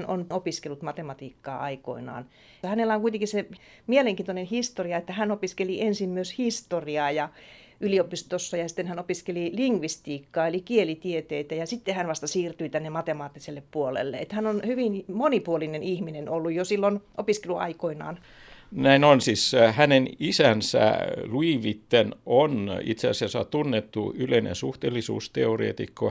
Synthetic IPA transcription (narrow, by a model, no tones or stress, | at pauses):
no̰nopiskelːut̪mɑt̪emɑt̪iːkːɑ̰ːɑiko̰inɑ̰ːn | hænelːæoŋkuit̪eŋkisse | mieleŋkiːnt̪onenhist̪oriɑet̪ːæhænopiskeliʔensimmyøshist̪oriɑːjɑ | ʔyliopist̪osːɑjɑsi̥t̪ːenhænopiskeliliŋɡʋist̪iːkːɑːelikielit̪iet̪eit̪æjɑsit̪ːehænʋɑst̪ɑsiːrt̪yit̪ænːemɑt̪emɑːt̪ːiselːeppuolḛlːḛḛt̪hænonhyʋinmonipuolinenihminenolːujjosilːonʔopiskeluɑ̰ikoinɑ̰ːn | næinonsishænenisænsæ̰luiʋit̪ːenonḭt̪seɑsiɑsːɑt̪unːet̪ːṵyleinḛnsuht̪eːlːisṵːst̪ḛorḛːt̪ikːo